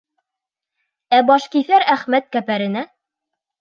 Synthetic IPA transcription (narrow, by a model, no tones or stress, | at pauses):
æbɑʃkiθæɾæχmæt̪̚kæpæɾɘ̆næ